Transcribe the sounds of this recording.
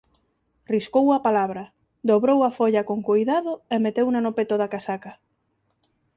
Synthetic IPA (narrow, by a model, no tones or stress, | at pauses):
riskowɐpalaβɾɐ | d̪oβɾowɐfoʎɐkoŋkojðaðʊemet̪ewnanopet̪oðakasakɐ